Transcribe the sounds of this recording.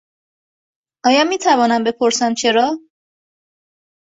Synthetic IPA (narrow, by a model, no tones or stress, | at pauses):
ɒːjɒːmiːt̪ʰævɒːnæmbe̞pʰo̞ɾsæmt͡ʃʰe̞ɾɒː